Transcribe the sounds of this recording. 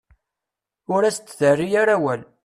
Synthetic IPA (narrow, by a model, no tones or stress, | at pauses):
ʊɾæst͡s̪ːθərːijaɾæwæl